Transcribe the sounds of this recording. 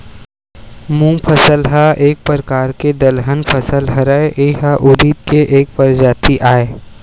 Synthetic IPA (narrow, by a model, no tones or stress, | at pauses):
mũːpʰəsəlɦaʔeːk̚pəɾəkaːɾked̪əlɦənpʰəsəlɦəɾaeʔeɦaʔʊɾiːd̪̚keʔeːk̚pəɾd͡ʒaːt̪iʔaːeː